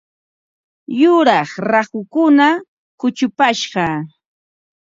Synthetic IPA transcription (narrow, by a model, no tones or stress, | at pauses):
jʊɾɑχɾahʊkʊna | kʊt͡ʃʊpaʃɢɑ